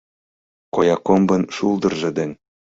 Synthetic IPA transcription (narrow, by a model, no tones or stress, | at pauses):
kojɑkombɤ̆nʃuld̪ɤ̆rʒɤ̆d̪ɘ̆nʲ